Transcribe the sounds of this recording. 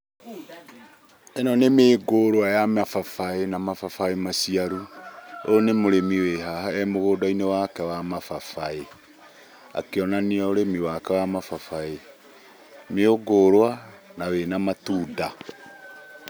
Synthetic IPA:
ɛnɔnemeːɡoɾwajamafafaenamafafaemasiaɾuonemoɾemiweɦahaɛmoɣoːdainewakɛwamafafae | a̰keɔnaniaoɾemiwakɛwamafafae | meoɡoːɾwanawenamatuːda

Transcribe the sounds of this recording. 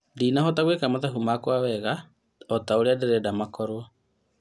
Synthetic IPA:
dinaɦɔtaɣwekamaðaɦumakwawɛɣa | ɔtaoɾeadeɾɛdamakɔɾwɔ

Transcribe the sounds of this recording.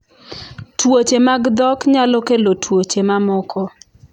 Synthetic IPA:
twot͡ʃemaɡd̪ɔkɲalɔkelotʰwot͡ʃemamɔkɔ

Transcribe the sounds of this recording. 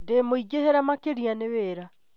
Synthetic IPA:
demoiɡeheɾamakeɾianeweːɾa

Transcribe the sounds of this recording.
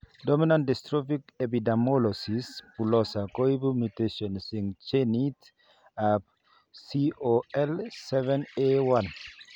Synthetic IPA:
dɔminãndɛstɹɔfikepidɛmɔlɔsispulɔsakoibumjuteʃɔ̃nsĩŋt͡ʃenit | ap̚ | sioɛlsɛvɛ̃newãn

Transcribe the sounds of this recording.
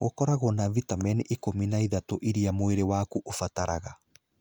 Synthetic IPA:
ɣokɔɾaɣonavitamɛnʔekominaiðatoʔiɾiamoeɾewakuʔofataɾaɣa

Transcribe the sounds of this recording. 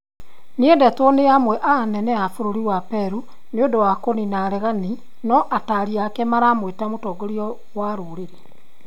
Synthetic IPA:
needɛtwɔneamwɛʔanɛnɛafoɾoɾiwapɛɾu | neodowakoninaɾɛɣani | nɔʔataɾiakɛmaɾaːmwetamotɔːɡoɾiɔ | waɾoɾeɾe

